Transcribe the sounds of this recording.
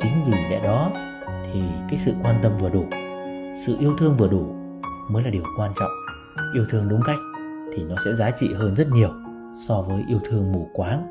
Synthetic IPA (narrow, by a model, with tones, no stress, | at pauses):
t͡ɕï˨˦ŋ̟zi˨˩ɗɛ̰˧˥ɗɔ˨˦ | t̪ʰi˨˩kaː˨˦jsɨ̰˧˨kwaː˧nt̪ə˧mvɨ˨˩əɗu˧˩ | sɨ̰˧˨ʔi˧əwt̪ʰɨ˧əŋvɨ˨˩əɗu˧˩ | məː˨˦jlaː˨˩i˨˩ə˩wkwaː˧nt͡ɕɔ̰˧˨wŋ͡m | ʔi˧əwt̪ʰɨ˧əŋɗʊ˨˦ŋ͡mka˦˥jk̟̚ | t̪ʰi˨˩nɔ˨˦sɛ̰˧˥zaː˨˦t͡ɕḭ˧˨ɦəː˧nzə˦˥t̚ɲi˨˩əw | sɔ˧vəː˨˦jʔi˧əwt̪ʰɨ˧əŋmu˧˩kwaː˨˦ŋ